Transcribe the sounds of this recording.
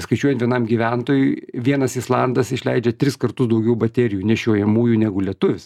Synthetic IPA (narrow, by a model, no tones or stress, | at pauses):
skɐɪt͡ʃʲuɔjɛnt̪ʋʲiɛnɐmɡʲiʋʲænt̪oːjʊɪʋʲiɛnɐsɪslˠɑnd̪ɐsɪʃʲlʲɛɪd͡ʒʲɛt̪ʲɾʲɪskɐrt̪ʊsd̪ɐʊɡʲɛʊbɐt̪ʲɛɾʲɪjuːnʲɛʃʲoːjɛmuːjuːnʲæɡʊlʲiɛt̪ʊʋʲɪs